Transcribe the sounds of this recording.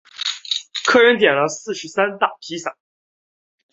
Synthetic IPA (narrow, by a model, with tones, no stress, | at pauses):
kʰɤ˥˧ɻə˧˥nt̪̬jɛ˨˩nlə˦sɹ̩˥˩ʂɻ̩˧˥sa˥nt̪a˥˩pʰi˧˥sa˨˩˦